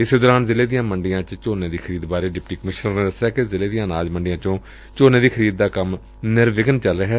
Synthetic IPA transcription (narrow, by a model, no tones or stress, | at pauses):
ɪsed̪ɔːɾaːnzɪleːd̪ɪjãːməɳɖɪjãːt͡ʃt͡ʃoːneːd̪iːxʰəɾiːd̪baːɾeːɖɪpʈiːkəmɪʃnəɾneːd̪əsjaːkezɪleːd̪ijãːnaːd͡ʒməɳɖɪjãːt͡ʃõː | t͡ʃoːnẽːd̪iːkʰəɾiːd̪̚ːaːkəm | nɪɾʋɪkənt͡ʃəlɾəːɦɛː